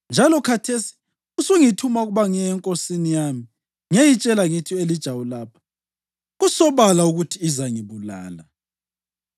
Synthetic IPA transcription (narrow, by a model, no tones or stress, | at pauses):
nd͡ʒʱalɔkʰatʰesi̥ | usuŋitʰumauɣuβaŋiɛɛŋkʼosinijami | ŋejit͡ʃʼɛlaŋitʰielid̥ʒ̥ʱawulaːpʰḁ | ɣusɔβalauɣutʰiːzaŋiβula̰ːla